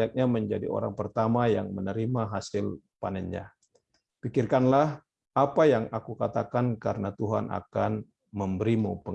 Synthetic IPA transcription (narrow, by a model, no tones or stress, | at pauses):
at̪̚ɲaməɲd͡ʒadio̰ɾa̰ŋpərt̪amajaŋmənəɾimaɦasɪl | panɛnɲa̰ | pikɪrkanlah | apajaŋakukat̪akankaɾənat̪uɦanʔa̰kan | məmbəɾimupə